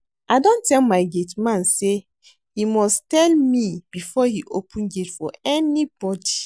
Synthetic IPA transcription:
ʔaɪdõntɛlmaɪɡetmãnse | himɔstɛlmib̥ifɔhiʔopʰũnɡetfɔɛnib̥ɔdi

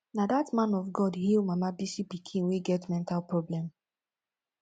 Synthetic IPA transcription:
nadatmãnɔfɡɔdhilmamabisipikʰĩnweɡɛtmɛ̃ntalpɹɔblɛ̃m

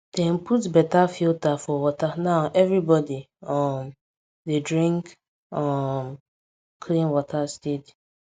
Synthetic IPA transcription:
d̥ɛ̃m̩putbɛtafiltafɔwɔtanaʊʔɛvɹibɔdi | ɔm | dedɹĩŋk | ɔm | kʰlĩnwɔtʰastid

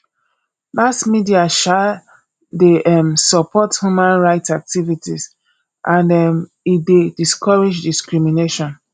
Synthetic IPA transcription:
masmidiaʃal | deʔɛmsɔpɔthjumãnɹaɪtsak̚tivitiz | ʔãndɛm | idediskɔɹid͡ʒdiskɹimineʃɔ̃n

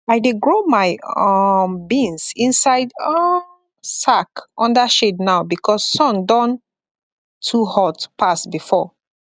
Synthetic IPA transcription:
aɪdeɡɹomaɪ | bĩnsĩnsaɪdɔ | sakʔɔ̃ndaʃednaʊbikʰɔssɔ̃ndɔ̃n | tʰːuhɔtpʰasbifɔ

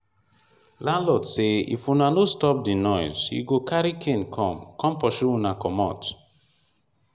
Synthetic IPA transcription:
lalɔtseḭfunanostɔp̚dinɔjzḭɡokaɾikʰenkʰɔ̃mkɔ̃mpɔʃiunakɔmɔ̰t

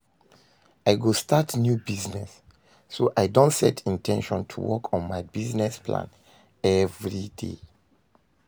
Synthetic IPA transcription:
aɪɡostʰatnjubiznɛsː | oʔaɪdõntsɛtʰĩntʰɛ̃nʃɔ̃ntʰṵwɔkʰɔ̃nmaɪbiznɛspʰlã̰n | ɛvɹidḛ

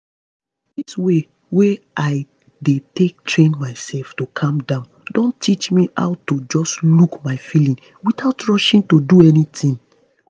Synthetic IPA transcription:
diswe | we | aɪ | detek̚tɹẽnmaɪsɛlftokʰãmdãʊ̃ndõntit͡ʃmiʔa̰ʊtod͡ʒɔslukmaɪfilĩŋ | witaʊtɹɔʃĩŋtoduɛnitʰĩn

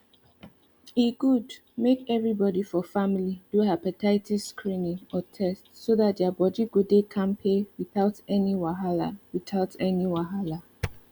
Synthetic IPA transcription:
iɡud | mekɛvɹibɔdifɔfamilid̥uapɛtʰaɪtʰiskʰɹĩnĩŋɔtʰɛstsoðat̚dabɔdiɡudekʰãnpʰewiθaʊtɛniwaɦala̰wiθaʊtʰɛniwaɦala

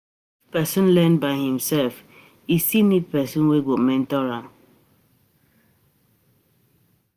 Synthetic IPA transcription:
pɛsɔ̃nlɛ̃nbaɪhĩmsɛlf | istinid̚pɛsɔ̃nweɡomɛ̃ntɔɹãn

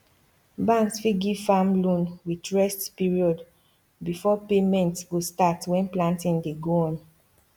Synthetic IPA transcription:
bãnsfiɡivfamlũnwitɹɛstpiɹiɔd | bifɔpemɛ̃ntwostatwɛ̃nplãntĩndeɡoɔ̃n

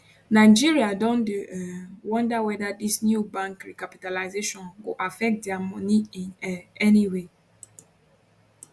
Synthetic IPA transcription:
naɪd͡ʒiɾiadɔ̃nd | wɔ̃ndawɛdadisnjubãŋkɾikapitalaɪzeʃɔ̃nɡoʔafɛk̚t̚djamɔniinɛɛniwe

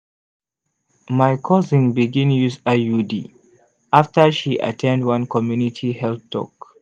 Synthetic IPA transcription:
majkʰɔzĩŋbiɡĩnjuzajudḭ | ʔaftəʃiʔa̰tʰɛ̃ndwãnkɔmjunitʰihɛlθtʰɔ̰k

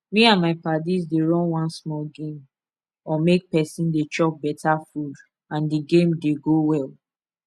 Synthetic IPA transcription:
miãnmaɪpadizdeɹɔ̃nwɔ̃nsmɔlɡẽm | ɔmek̚pɛsĩndet͡ʃɔk̚bɛtafud | ãndiɡẽmdeɡowɛl

